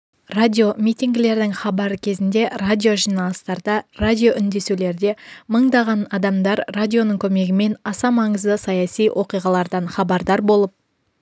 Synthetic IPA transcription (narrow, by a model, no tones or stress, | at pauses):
radʲio̞mijt̪ʲiŋɡʲɪle̞ɾd̪ɪŋχɑbɑɾəkʲʰe̞zɪnd̪e̞radʲijo̞ʒijnɑlˠəst̪ɑɾd̪ɑradʲijo̞ʔʏnd̪e̞sule̞ɾd̪e̞məɴd̪ɑʁɑnɑd̪ɑmd̪ɑɾradʲijo̞nəɴkʲʰɵme̞ɡʲɪme̞nɑsɑmɑɴəzd̪əsɑjɑsijwʔo̞qijʁɑlˠɑɾd̪ɑɴχɑbɑɾd̪ɑɾbo̞lˠəp̚